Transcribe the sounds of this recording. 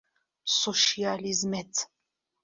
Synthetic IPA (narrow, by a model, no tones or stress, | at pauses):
sɔʃializmɛt̪ʰ